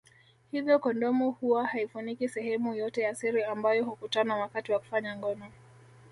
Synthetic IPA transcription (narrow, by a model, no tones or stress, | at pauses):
hivjɔkɔndɔmuhuwahaifunikisɛhɛmujɔtɛjasiɾiambajɔhukutanawakatiwaku̥faɲaŋɡɔnɔ